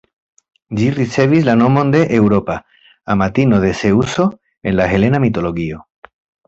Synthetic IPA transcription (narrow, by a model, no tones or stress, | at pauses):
d͡ʒiriseβizlanomõnd̪eʔewɾopa | amat̪inoð̞eseuso | enlaxelenamit̪oloɣio